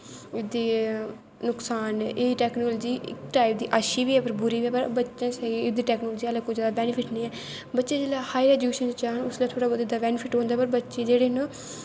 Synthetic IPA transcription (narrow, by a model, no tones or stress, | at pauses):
ɪd̪iː | nʊksaːneʈɛːknoːlːd͡ʒiːʔɪ̰kʈaːɪp̚d̪iːʔaːʃiːʋiːɛːpəɾbʊɾiːʋiɛːpəɾbətːʃãːsɛːɡeːɪd̪iːʈɛːknoːlːd͡ʒiːalakozjaːd̪aːbɛːnɪpʰɪʈniːɛː | bətːʃẽːd͡ʒeːlaːhaːiɾɛːd͡ʒjuʃənt͡ʃaːɦnʊslaːt̪ʰoːɽaːbəd̪ɪd̪aːbɛːnpʰɪʈɦõːnd̪aːpəɾbətːʃeːd͡ʒeːɽeːnː